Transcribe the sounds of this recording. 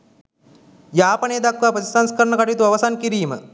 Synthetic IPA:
japəɳeːd̪akːapətisanskəɾɳəkaʈiːt̪ʋɐʋəsankiɾiːmə

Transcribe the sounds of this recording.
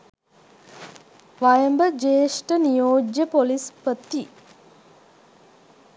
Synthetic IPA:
ʋajəmbəd͡ʒeːʃʈənijoːd͡ʒjəpolispət̪ːi

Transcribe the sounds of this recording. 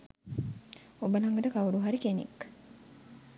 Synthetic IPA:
obəlaŋɡəʈəkawuɖuɦaɾikenḛk

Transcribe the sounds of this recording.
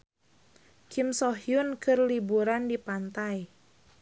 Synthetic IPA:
kʰimsɔɦjunkɨrlibuɾandipant̪aj

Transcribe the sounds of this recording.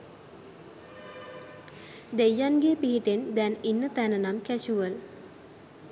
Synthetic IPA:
d̪ejːanɡepiɦiʈend̪ɛninːət̪ænənamkæɕuʋəl

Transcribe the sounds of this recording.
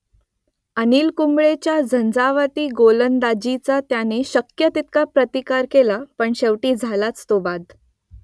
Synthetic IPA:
əniːlkumɭet͡ɕjad͡zʱənd͡zaʋat̪iːɡolənd̪ad͡ʑit͡sat̪janeɕəkjət̪it̪̚kapɾət̪ikaɾkelapəɳɕeʋʈiːd͡zʱalat͡st̪obad̪

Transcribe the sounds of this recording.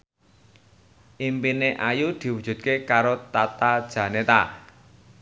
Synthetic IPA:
ʔimpineʔajud̪̥i̤wud̥ṳdt̪̚kekaɾot̪at̪ad̥ʒ̥ä̤net̪a

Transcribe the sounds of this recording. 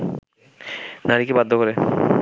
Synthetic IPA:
naɾikebad̪ʱːokoɾe

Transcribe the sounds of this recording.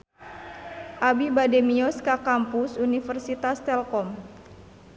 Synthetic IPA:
ʔabibademiɔskakampusunifərsit̪ast̪ɛlkɔm

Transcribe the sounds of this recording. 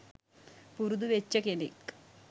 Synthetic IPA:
puɾud̪uʋet͡ɕːɐkenḭk

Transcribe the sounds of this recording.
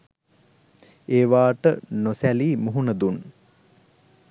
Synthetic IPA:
eːʋaːʈənosæliːmuɦunəd̪un

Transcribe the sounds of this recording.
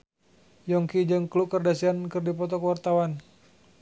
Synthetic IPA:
jɔŋkid͡ʒəŋkluʔkərdasiankɨrdipɔt̪ɔkəwart̪awan

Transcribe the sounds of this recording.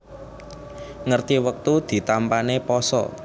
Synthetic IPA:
ŋərt̪iwək̚t̪ud̪̥i̤t̪ampanepɔsɔ̰

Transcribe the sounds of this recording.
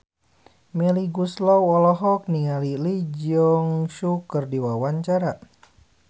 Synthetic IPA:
mɛliɡuslɔwɔlɔɦɔk̚niŋalilid͡ʒɔŋʃukərdiwawaɲt͡ʃaɾa

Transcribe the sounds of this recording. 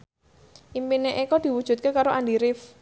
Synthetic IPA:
ʔimpineʔekɔd̪̥i̤wud̥ʒ̥ṳt̪̚kekaɾoʔandiɾɪf

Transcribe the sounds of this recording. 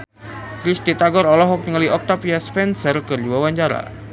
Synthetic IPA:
kɾist̪it̪aɡɔɾɔlɔɦɔk̚nəŋaliʔɔk̚t̪apiaspɛnsərkərduawaɲt͡ʃaɾa̰

